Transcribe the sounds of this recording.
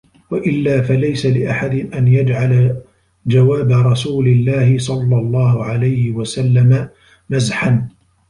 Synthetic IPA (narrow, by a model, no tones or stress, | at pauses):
waʔɪlːaːfalajsalɪʔaħad̪ɪʔanjad͡ʒʕala | d͡ʒawaːbaɾˤɑsuːlɪlːaːhɪsˤɑlːɑlˤːɑːhʊʕalajhɪwasalːama | nazħan